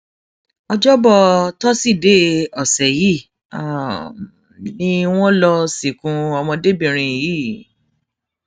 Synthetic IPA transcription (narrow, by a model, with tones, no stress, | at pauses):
ɔ˧d͡ʒɔ˦bɔ˧tɔ˦si˦˨de˦ɔ˨sɛ˨ji˦˨ | a˨ | nĩ˦w̃ɔ̃˦lɔ˧si˨kũ˨˧ɔ˧mɔ̃˧de˦bĩ˦˨ɾ̃ĩ˧ji˦